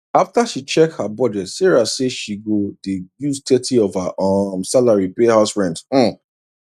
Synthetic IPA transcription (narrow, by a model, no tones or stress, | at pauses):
aftaʃit͡ʃɛk̚thabɔd͡ʒɛtsɛɹaseʃiɡodejuztʰɛtʰiɔvaʔɔmsalaɹipehaʊsɹɛ̃nt̩